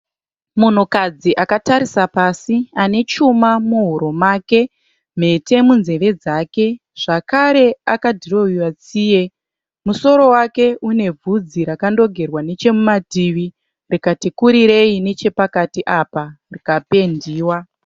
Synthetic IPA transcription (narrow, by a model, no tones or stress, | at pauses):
mun̤ukad͡ziʔakataɾisapasiane̞t͡ʃumamuɦuɾo̞maːke̞ | m̤e̞te̞munze̞ʋe̞d͡zake̞ | ʐ̥akaɾe̞akadʱiro̞iwat͡siːje̞ | muso̞ɾo̞wake̞ʔune̞vʱud͡ziɾakando̞ɡʱe̞rwane̞t͡ʃe̞mumadʱiʋi | rikatikuɾiɾe̞ine̞t͡ʃe̞pakatiʔapa | rikape̞ndiːwa